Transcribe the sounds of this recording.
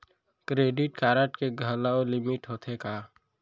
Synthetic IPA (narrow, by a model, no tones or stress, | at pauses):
kɾeːɖɪʈkaːɾəʈkeɡʱəlaolɪmɪʈɦoːt̪ʰekaː